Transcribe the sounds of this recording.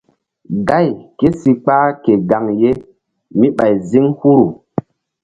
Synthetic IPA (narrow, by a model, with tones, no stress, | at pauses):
ɡa˦˨jke˦si˨k͡paː˦ke˨ɡa˨ŋje˦ | mi˦ɓa˨jzi˦ŋhu˦ɾu˨